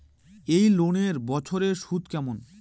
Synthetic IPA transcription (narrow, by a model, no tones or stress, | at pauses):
ejloneɾbɔt͡ɕʰoɾeʃut̪kɛmon